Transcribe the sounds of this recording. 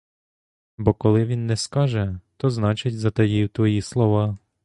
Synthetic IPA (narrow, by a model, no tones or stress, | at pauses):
bɔkɔlˠɪʋʲinːɛskɑʒɛt̪ɔznɑt͡ʃɪtʲzɐt̪ɐjiwt̪ʋɔjislˠɔʋɑ